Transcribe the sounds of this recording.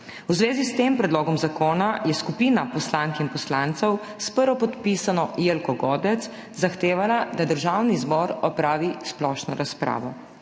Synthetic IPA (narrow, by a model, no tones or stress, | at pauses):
wzʋeːzist̪eːmpɾɛd̪loːɡɔmzakoːnajɛskupiːnapɔslaŋkɛinpɔslant̪səw | spəɾʋɔpɔt̪pisanɔjelkɔɡɔːd̪ɛt̪s | zaxt̪eːʋalad̪ad̪əɾʒawnizbɔɾɔpɾaːʋisplɔʃnɔɾaspɾa̰ːʋɔ